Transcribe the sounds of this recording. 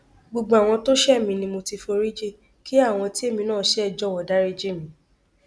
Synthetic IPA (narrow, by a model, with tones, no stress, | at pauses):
ɡ͡bo˧ɡ͡bo˧˨a˨w̃ɔ̃˧to˦ʃɛ˦˨mĩ˧nĩ˧mo˧ti˧fo˧ɾi˦d͡ʒe˦ | ki˦a˦˨w̃ɔ̃˧ti˦e˦˨mĩ˧nãː˦˨ʃɛ˦ɛ˦˨d͡ʒɔ˦˨wɔ˨da˨˦ɾi˦d͡ʒe˦˨mĩ˨˦